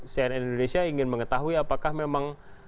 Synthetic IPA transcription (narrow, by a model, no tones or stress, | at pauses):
sianinindonesiaiŋɪnməŋət̪aɦuiapakahmemaŋ